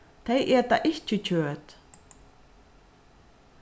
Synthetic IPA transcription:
θejʔɛɾt̪aʔɪhcɪcʰœːt̪

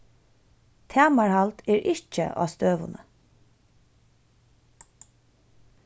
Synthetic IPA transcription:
t̪ʰæːmaɹhalt̪ɛːɹʔɪht͡ʃə̰ʔɑ̰ːst̪øːʋʊ̰nə̰

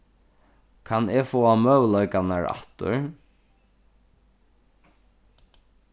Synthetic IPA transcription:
kʰanɛfoːamœwlɔjkanaɹa̰ht̪ʊ̰ɹ

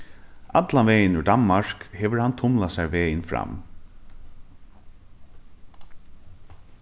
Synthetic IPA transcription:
ʔat̪lanvɛːjɪnʏd̪anmaɹkhɛːʋəɹhant̪ʰʊmlasɛjɹʋɛːjɪnfɾa̰m

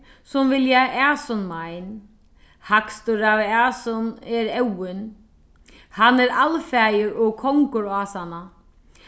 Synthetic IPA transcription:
sʊmvɪljaʔaːsɔnmajn | hakst̪ʊɾavaːsɔnɛɾɛwɪn | hanːɛɾalfɛːjɪɾɔɣkʰɔŋkʊɾaːsana

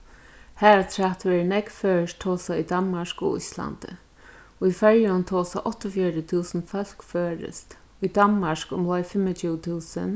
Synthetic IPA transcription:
hɛːɹat̪ʰɹaht̪ʋɛːɹnɛkfœːɹəst̪ʰɔːsaid̪anmaʃkɔ̰ʔṵjsla̰nt̪ə̰ | ifɛɹjʊnt̪ʰɔːsa̰ʔɔht̪ɔfjɛɾət̪ʰuːsənfœl̥kføːɹɪ̰st̪ | ujd̪anmaʂkʊmlɔjfɪmət͡ʃʰut̪ʰuːsə̰n

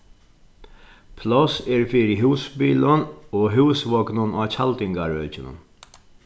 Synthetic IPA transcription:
pʰlɔsɛɹfɪɾɪɦuːsbiːlənɔːɦuːsʋɔknʊnaːt͡ɕʰalt̪ɪŋkaɹœːt͡ʃɪnʊ̰n

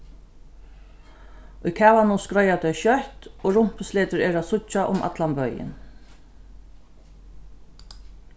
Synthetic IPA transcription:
ʊjkʰæːvanʊskɾɔjat̪ɛjʃjœht̪ɔɹʊm̥pʏsleːt̪ɪɾɛːɾaðsʊt͡ʃːaʔʊmʔa̰t̪lanpœɥjɪ̰n

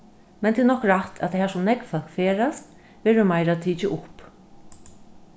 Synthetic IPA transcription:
mɛnt̪ʰɪːd̪nɔhkɾat̪ʰa̰t̪ʰahaːʂʊmnɛkfœlkfeːɾast̪ | ʋeːɾʊmajɾat̪ʰiːt͡ʃɪʔʊp

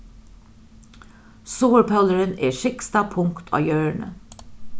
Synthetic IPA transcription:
soːəɹpʰœləɹənḛːʃɪkst̪ɑpʰʊŋkt̪ʰɑ̰ːjøːɹɳə̰

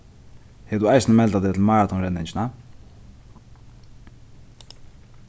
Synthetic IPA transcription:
hɛd̪uajsnəmɛlt̪aðɛt̪ʰlmaːɹat̪ʰɔnɾɛnːɪɲt͡ʃɪna

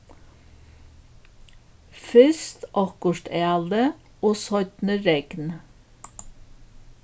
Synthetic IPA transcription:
fʏst̪ʔɔkʊʃʈeɑld̪ə | oːsɔʏt̪nəɾɛɡ̥n

